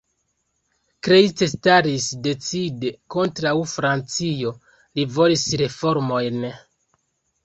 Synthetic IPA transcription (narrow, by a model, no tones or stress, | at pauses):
kɾet͡sestaɾisde̞t͡sideko̞ntɾawfɾant͡sio̞ | livo̞lisɾe̞fo̞ɾmo̞jn